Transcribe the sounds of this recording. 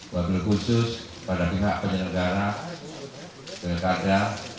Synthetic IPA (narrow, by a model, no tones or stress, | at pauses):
waɡɪlkusʊs | padapiɦaʔpəɲənəɡaɾa | kəkada